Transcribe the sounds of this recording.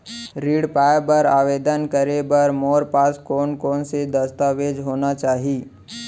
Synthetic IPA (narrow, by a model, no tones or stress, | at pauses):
ɾiːɽpaːebɐɾaːʋeːd̪ənkəɾebɐɾmoːɾpaːskɔːnkɔːnsed̪ɐst̪aːʋeːd͡ʒɦoːnat͡ʃaːɦiː